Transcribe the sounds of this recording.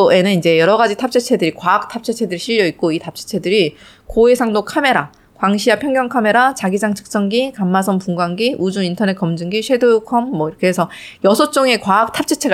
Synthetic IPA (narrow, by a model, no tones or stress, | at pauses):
e̞nɯnid͡ʑe̞jʌɾʌɡad͡ʑitʰap̚t͡ɕ͈ʰet͡ɕʰe̞dɯɾikwaːk̚tʰap̚t͡ɕʰet͡ɕʰe̞dɯɾiɕʰiʎːʌik̚k͈oitʰap̚t͡ɕʰet͡ɕʰe̞dɯɾi | koe̞sʰaŋdokʰame̞ɾa | kwaŋɕʰiapʰjʌŋɡjʌŋkʰame̞ɾat͡ɕaɡid͡ʑaŋt͡ɕʰɯ̥k̚s͈ʌŋɡikamːasʰʌmpuŋɡwaŋɡiʔud͡ʑuŋintʰʌne̞t̚k͈ʌmd͡ʑɯŋɡiɕʰedojokʰʌmːʌiɾʌkʰeɦesʰʌjʌsʰʌt͡ɕ͈oŋe̞kwaːk̚tʰap̚t͡ɕʰet͡ɕʰe̞ɡ